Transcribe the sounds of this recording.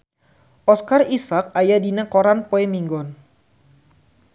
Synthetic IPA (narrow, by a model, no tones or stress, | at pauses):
ʔɔskarisak̚ajadinakoɾanpoɛmiŋɡɔn